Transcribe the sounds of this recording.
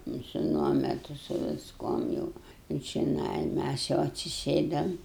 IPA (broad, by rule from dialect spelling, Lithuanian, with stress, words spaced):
nʊ sʊ ˈnuɔmʲɛtʊ sʊ ʋʲɪsˈkuɔm jɛʊ ɪ t͡ʃʲɪˈnɐɪ ˈmʲæs jɛʊ ɐtʲsʲɪˈsʲeːdɐm